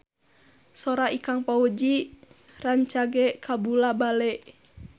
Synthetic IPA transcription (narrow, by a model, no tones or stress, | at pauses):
sɔɾaikaŋpaud͡ʒi | raɲt͡ʃaɡɛkʰabulabalɛʔ